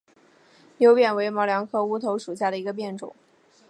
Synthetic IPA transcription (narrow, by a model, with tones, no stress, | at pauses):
njo˧˥ʊpjɛ˨˩nwe˧˥ɪmɑ˧˥ʊljɑ˧˥ŋkʰɤ˥˧u˥t̪ʰo˧˥ʊʂu˨˩ɕ̬ja˥˩ɾə˩i˧˥ɡə˧p̬jɛ˥˩nʈ͡ʂʊ̰˨˩˦